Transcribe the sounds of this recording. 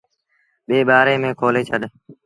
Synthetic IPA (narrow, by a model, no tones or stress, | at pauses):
ɓeːɓaːɾeːmẽːkʰoːleːt͡ʃʰəɗ